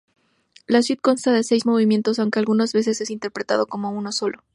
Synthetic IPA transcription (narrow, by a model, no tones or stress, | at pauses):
las̬wit̪̚ko̞nst̪aðe̞se̞jzmo̞β̞imje̞nt̪o̞sawŋke̞alɣunazβe̞s̬e̞sesint̪e̞ɾpɾe̞t̪a̰ðo̞ko̞mo̞uno̞so̞lʔo